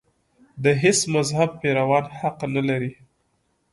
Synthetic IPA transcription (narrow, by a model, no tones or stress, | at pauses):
d̪əɦɪsmazhab̚peɾawɑnhaqnalaɾi